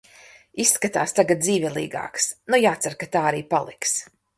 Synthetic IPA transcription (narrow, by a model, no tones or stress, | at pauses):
isːkat̪aːst̪aɡat̪̚d̪ziːvʲɛlˠḭːɡa̰ːksnujaːt̪saɾkat̪aːaɾiːpalˠḭks